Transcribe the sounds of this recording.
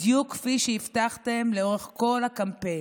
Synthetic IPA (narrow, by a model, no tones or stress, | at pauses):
jukːfiʃeift̪aχt̪emleo̞ʁeχko̞lakampe̞